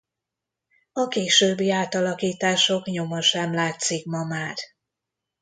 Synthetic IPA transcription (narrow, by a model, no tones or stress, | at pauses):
ɒkeːʃøːbːiaːt̪ɒlɒkiːt̪aːʃo̞kɲo̞mɒʃɛmlaːt̪sikmɒmaːr